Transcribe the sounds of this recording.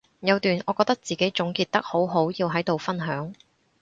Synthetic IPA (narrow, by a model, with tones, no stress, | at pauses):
jɐ˨˧wt̪yː˨nʔɔː˨˧kɔː˧k̚t̪ɐ˥k̚t͡siː˨˩ke˨˥jt͡sʊ˨˥ŋkiː˧t̚t̪ɐ˥k̚ho˨˥wɦo˨˥wjiː˧wɦɐ˨˥jt̪o˨wfɐ˥nɦœː˨˥ŋ